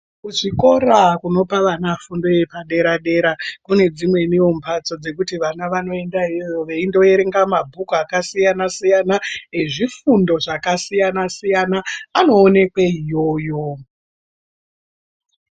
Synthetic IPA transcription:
kuʐiko̞ɾakuno̞paʋanafundoje̞paɗe̞ɾaɗe̞ɾakune̞d͡zimwe̞niompʰat͡so̞d͡ze̞kutiʋanaʋano̞e̞ndaijoʋe̞indo̞e̞ɾeŋɡamabʱukuakasijanasijanaeʐifundo̞ʐakasijanasijanaːno̞ːne̞kweijo̞ːjo̞

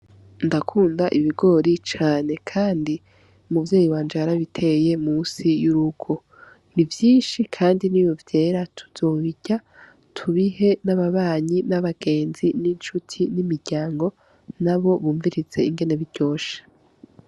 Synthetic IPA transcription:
ndakʰuːndaʔiβiɡo̞ːɾit͡ʃaːne̞kʰaːndi | umuvjeːjiwaːnd͡ʒaaɾaβitʰe̞je̞muːsijuɾuɡ̥o̞ | nivjiːnʃikʰaːndiniːjovje̞ːɾatʰu̥z̥o̞ːβiɟa | tʰuβiɦe̞naβaβaːɲinaβaɡ̥e̞ːnzinint͡ʃutʰinimiɾɟ̥aːŋɡo̞ | naβo̞βuːɱviɾiz̥e̞iŋɡe̞ne̞βiɾɟ̥o̞ːʃḁ

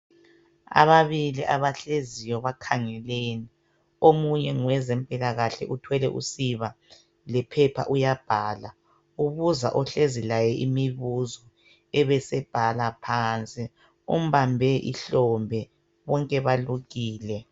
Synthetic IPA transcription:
a̰βaβiliʔaβaɬezijɔβakʰaŋɛleːni | omuɲɛŋwɛzɛmpʼilaɣaɬɛ̰ʔutʰwɛlɛ̰ʔṵsiβa | lɛpʰɛpʰa̰ʔujab̥ʱaːla | uβuza̰ʔɔɬezilajɛʔimiβuzɔ | ɛβɛsɛb̥ʱalapʰaːnt͡sʼi | um̩βambʱɛʔḭɬɔmbʱɛ | βɔŋkʼɛβaluɣiːlɛ

